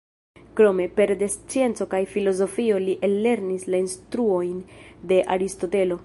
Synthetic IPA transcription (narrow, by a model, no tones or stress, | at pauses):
kɾo̞me̞pe̞ɾdest͡sie̞nt͡so̞kajfilo̞zo̞fio̞liʔelːe̞ɾnislainstɾuo̞jnde̞ʔaɾisto̞te̞lo̞